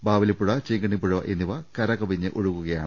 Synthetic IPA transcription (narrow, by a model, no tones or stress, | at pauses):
baːʋɐlipːuɻɐt͡ɕeŋɡɐɳipːuɻɐɐʔenːiʋɐkɐɾɐkɐbiɲːɨʔoɻukːuɣɐja̰ːɳ